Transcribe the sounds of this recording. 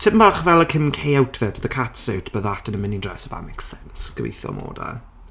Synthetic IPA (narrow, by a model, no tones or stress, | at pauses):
tʰɪmbaχvɛlˠəkʰənkʰejawtʰvɛdʰðəkʰatsəwtʰb̥əðatʰənəmɪnidrɛsəva̰mɛksɛnsɡ̥əwḛjθjɔ̰mo̰ːda̰